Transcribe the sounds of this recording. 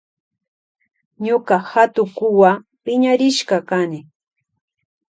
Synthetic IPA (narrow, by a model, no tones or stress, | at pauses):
ɲokɑhat̪ʊkʊwapɪɲaɾɪʃkɑkanɪ